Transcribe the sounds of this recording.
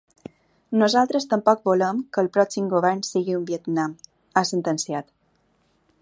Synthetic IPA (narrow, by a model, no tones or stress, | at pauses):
nuzalˠt̪ɾəst̪əmpɔk̚boləmkəːlˠpɾɔksimɡoβɛɾnsiɣiumbiət̪nam | asənt̪ənsiat̪